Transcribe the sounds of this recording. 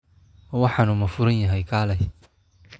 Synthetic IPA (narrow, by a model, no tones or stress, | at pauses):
wɑħɑnʊmɐfʊɾɐnjɐɦɛjkʰaːlɛj